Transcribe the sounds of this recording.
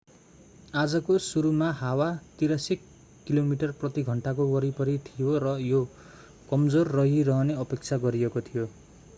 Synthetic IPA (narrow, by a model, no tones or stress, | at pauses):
ad͡zʌkosuɾumahawat̪iɾasi | kilomiʈʌrprʌt̪iɡʱʌɳʈakoɡʌɾipʌɾit̪ʰijorʌjo | kʌmd͡zorːʌɦirʌɦʌneʌpek̚t͡sʰaɡʌɾiekot̪ʰijo